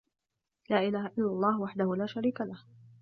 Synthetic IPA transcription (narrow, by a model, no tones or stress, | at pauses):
laːʔɪlaːhaʔɪlːalˤːɑːhwaħd̪ahʊlaːʃaɾiːkalah